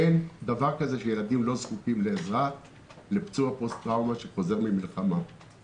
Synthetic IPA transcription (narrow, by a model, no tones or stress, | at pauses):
end̪avaʁkaze̞ʃe̞jeladimlo̞zkukimleːzʁa | lept͡suapo̞st̪ʁawmaʃeχo̞ze̞ʁmimilχama